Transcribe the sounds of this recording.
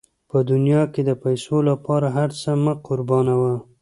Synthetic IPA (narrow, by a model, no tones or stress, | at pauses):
pəd̪ʊnjɑked̪əpajsolapɑɾaɦaɾt͡səməqʊɾbɑnawa